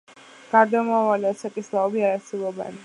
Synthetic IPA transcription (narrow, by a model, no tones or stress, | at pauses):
ɡ̥aɾd̪amavaliasakʼislaɔbiaɾasɛbɔbɛ̰n